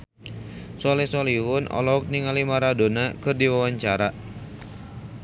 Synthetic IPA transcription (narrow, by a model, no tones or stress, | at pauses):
sɔlɛsɔliɦʊnʔɔ̰lɔɦɔk̚niŋalimaɾadonakɨrdiwawaɲt͡ʃaɾa